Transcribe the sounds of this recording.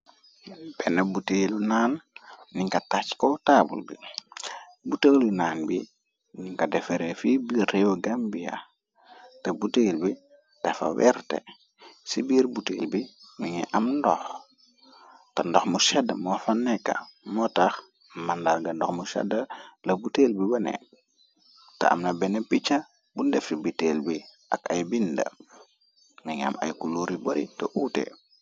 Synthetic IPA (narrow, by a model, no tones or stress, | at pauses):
b̥ɛnɐbutelunaːnːiŋkɐtat͡ʃkɔtabṵlbḭ | butelinaːnbi | niŋkɐdɛfeɾefibiɾewoɡambija̰ | tebutelbi | d̥ɛfa̰wɛ̰ɾtḛ | sibiːɾbutelbiniŋɛ̰ʔamndɔx | tɐndɔxmuʃɛdːɐmɔfanːɛkːa̰mɔtax | mandaɾɡɐndɔxmusɛ̰dɐlɐbuteːlbibɐnɛ̰ | tɐ̰a̰mnɐbɛnepit͡ʃɐ | bundɛfibiteːlbiʔɐ̰kɐjbindɐ̰ | miŋa̰mɐ̰jkuluːɾiboɾitɛʔuːtḛ